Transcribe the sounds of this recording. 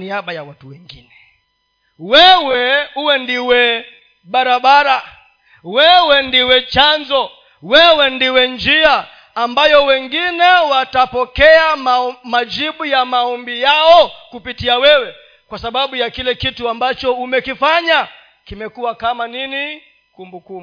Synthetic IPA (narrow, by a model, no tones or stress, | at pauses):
niaɓajawatuwɛŋɡinɛ | wɛwɛuwɛndiwɛ | ɓaɾaɓaɾa | wɛwɛndiwɛt͡ʃanzɔ | wɛwɛndiwɛnd͡ʒiaː | mbajɔwɛŋɡinɛwatapɔkɛamad͡ʒiɓujamaɔmbijaɔkupitiawɛwɛ | kwasaɓaɓujakilɛkituambat͡ʃɔumɛkifaɲa | kimɛkuwakamanini | kumbukumbu